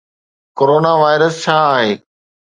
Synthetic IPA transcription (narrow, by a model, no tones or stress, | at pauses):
koːɾoːnaʋaːɪɾəst͡ɕʰaːaːɦeː